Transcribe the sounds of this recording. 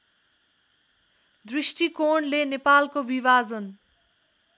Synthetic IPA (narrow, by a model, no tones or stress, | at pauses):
d̪risʈikoɳlenepalkobiβad͡zʌn